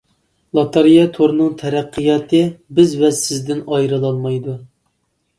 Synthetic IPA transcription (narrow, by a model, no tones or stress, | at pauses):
lˠɑt̪ʰɑɾijɑt̪ʰoɾnɨŋt̪ʰɛɾæqʰːɨjɑːt̪ʰɨbɪzwɛsɪzd̪ɪnɑjɾɨlˠɑlˠmɑjd̪u